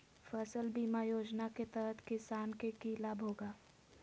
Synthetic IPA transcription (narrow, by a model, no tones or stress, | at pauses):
fɛsəlbiːmajoːd͡ʒnaket̪əɦət̪kɪsaːnkekilaːbʱɦoːɡaː